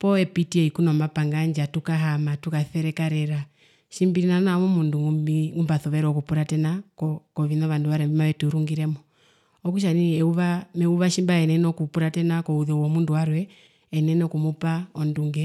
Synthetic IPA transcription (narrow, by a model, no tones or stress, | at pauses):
pɔɛpitiɛikunɔmapaŋɡaɲd͡ʒatukaɦamatukaθɛɾɛkaɾɛɾa | ʃimbiɾinanamumunduŋuiŋumbaθɔβɛɾɔkupuɾatɛnakɔkɔʋinɔʋanduʋaɾɛimaʋɛtuɾuŋɡiɾɛmɔ | ɔkuʃ̬aniɛuβamɛuβaʃimbaɛnɛnɔkupuɾatɛnakɔuðɔuwɔmunduwaɾwɛː | nɛnɔkumupaɔnduŋɡɛ